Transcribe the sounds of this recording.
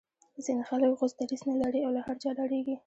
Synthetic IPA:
zinexaləkɣozd̪aɾiznalaɾiawlahaɾt͡ʃɑlaɽeɡi

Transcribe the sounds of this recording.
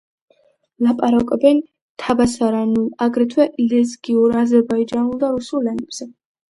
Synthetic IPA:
lapʼaɾakʼɔbɛn | t̪ʰabasaɾanuaɡɾɛt̪ʰwɛʔlɛzɡiuɾazɛɾbaid͡ʒanulˠd̪aɾusullɛnɛbz̥ɛ

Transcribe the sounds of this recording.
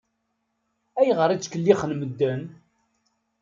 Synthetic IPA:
æjʁəɾˤit͡sːkəlːiχənməd̪ːən

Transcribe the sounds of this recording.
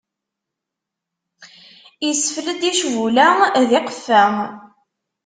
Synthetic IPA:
isəfləd̪iʃvulæðɪqəfːæ

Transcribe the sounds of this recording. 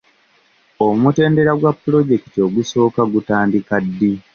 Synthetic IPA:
omute̞ːnde̞ɾaɡwapːulo̞ɟe̞ki̥tio̞ɡuso̞ːkaɡutaːndikadːi

